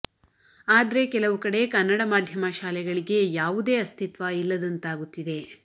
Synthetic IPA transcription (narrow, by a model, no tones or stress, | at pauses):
aːd̪ɐɾe̞kɛlɐʋukɐɽe̞kɐnːɐɽɐmaːd̪ʱjɐmɐʃaːlɛɡɐɭiɡe̞jaːʋud̪e̞ːɐst̪ʰit̪ʋɐilːɐd̪ɐnt̪aːɡut̪ːid̪e̞